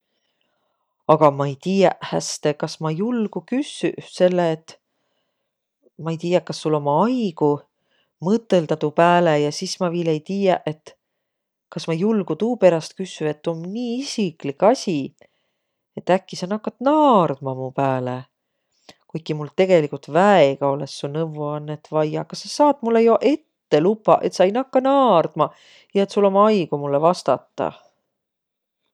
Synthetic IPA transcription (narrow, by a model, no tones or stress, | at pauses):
ɑɡ̥ɑmɑejt̪iːjɑʔhæ̰st̪e̞kɑsmɑjulɡ̥ukysyʔse̞lːeːt̪ː | mɑejt̪ijɑkːɑsːulo̞mɑɑjɡ̥u | mɤt̪ːˑe̞ld̪ɑt̪upæːlejɑsismɑviːle̞jt̪iːjɑʔe̞t̪ | kɑsmɑjulɡ̥ut̪uːpe̞ɾɑst̪̚kysːye̞t̪ːomniːisiklikːɑsʲi | e̞t̪ːækːisɑnɑkːɑt̪nɑːrd̪̥mɑmupæːle | kujkimult̪e̞ɡ̥e̞likult̪væeɡ̥ɑo̞lesːunɤvuɑnːet̪vɑjjɑkɑsɑsɑːt̪mulːejoʔe̞t̪ːe̞lupːˑɑ̰ʔe̞t̪sɑjnɑkːɑnɑːrd̪̥mɑ | jɑe̞t̪sulo̞mɑjɡ̥umulːevɑst̪ɑ̰t̪ːɑ̰